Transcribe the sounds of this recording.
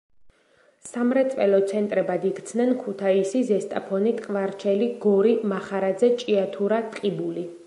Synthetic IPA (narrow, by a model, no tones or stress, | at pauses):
samɾɛt̪sʼvɛ̰lɔt̪sʰɛnt̪ʼɾɛbad̪ikt̪sʰnɛnkʰut̪ʰaisizɛst̪ʼa̰pʰɔnit̪ʼqʼvaɾt͡ʃʰɛliɡɔɾimaχaɾad̪zɛt͡ʃʼiat̪ʰuɾat̪ʼqʼibuli